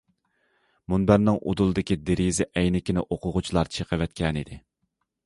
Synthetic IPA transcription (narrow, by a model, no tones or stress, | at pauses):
munbæɾnɪŋʔo̰d̪ulˠɨd̪ɪkʲid̪eɾizɪʔɛjnɪkʲinɪʔoqʰʊʁʊt͡ʃʰilˠɑɾt͡ʃʰeqʰəvɛt̪̚kʲɛnid̪ɪ